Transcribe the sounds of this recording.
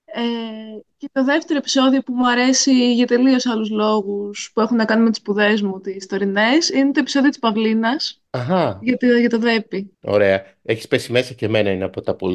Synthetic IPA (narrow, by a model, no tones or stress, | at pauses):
ece̞t̪o̞ðe̞ft̪e̞ɾo̞e̞pi̥so̞ðio̞pumuɐɾe̞siʝɐt̪e̞lio̞sɐluzlo̞ɣuspuexunɐkɐnimet̪i̥spuðe̞zmut̪ist̪o̞ɾine̞sinet̪oepi̥so̞ðiot̪ispɐvlinɐs | ɐɣɐʝɐt̪ʝɐt̪o̞ðe̞pio̞̰ɾe̞ɐ | eçi̥spesime̞sɐceme̞nɐineɐpo̞t̪ɐpol